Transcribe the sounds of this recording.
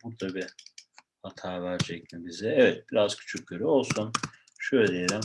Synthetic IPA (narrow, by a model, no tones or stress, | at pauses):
buɾd̪abi | hat̪ʰaːvæɾd͡ʒɛc̚mibizɛɛvɛt̪̚biɾaz̥cʰy̥t͡ʃʰyc̚ɟøɾyo̞lˠsun | ʃøjlʲɛd̪ijeɾʲim